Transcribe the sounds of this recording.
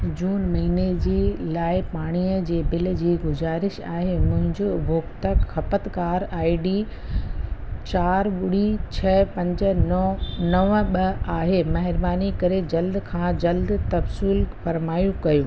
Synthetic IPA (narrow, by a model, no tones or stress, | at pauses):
d͡ʑuːnmɐɦiːned͡ʑiːlaːɪpaːɽ̃iːəd͡ʑeːbɪl̆d͡ʑiːɡʊzaːɾɪʃa̰ːɦemʊ̃ɦɪ̃ɲd͡ʑobʱoːkt̪əkxɐpət̪kaːɾaːiɖiː | t͡ɕaːɾɓʊɽ̤it͡ɕʰɐpɐ̃ɲd͡ʑə̆ | nɐʋɓɐaːɦemɐɦɪɾbaːnikɐɾed͡ʑɐld̪kʰãːd͡ʑɐld̪t̪ɐbsiːlfɐɾmaːjũkɐjoː